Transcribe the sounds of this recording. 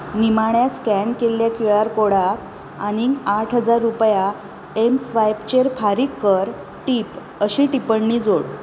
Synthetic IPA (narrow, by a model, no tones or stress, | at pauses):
nimaɳjaskɛnkelːjakjoaɾkoɽak | aniaʈʰɦəd͡zaɾːupja | emsʋajpt͡ɕeɾfaɾiːkːəɾ | ʈip | əɕiʈipəɳːid͡zoɽ